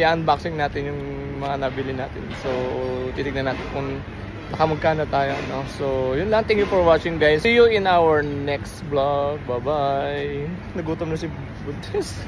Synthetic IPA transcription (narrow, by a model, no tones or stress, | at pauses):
jaʔɐnbaksɪŋnaːt̪ɪnjʊŋ | mɐŋanɐbilɪnaːt̪ɪnsot̪iːt̪ɪɡ̚nɐnaːt̪ɪnkʊŋ | nɐkɐmɐɡ̚kaːnot̪aːjoɐnosojʊnlɐʔɐŋt̪ɛ̃ŋkjufɔɹwat͡ʃɪŋɡajsijuɪnawəɹnɛkst̪blak̚babaj | nɐɡuːt̪omnɐsɪ | bʊd̪ɛs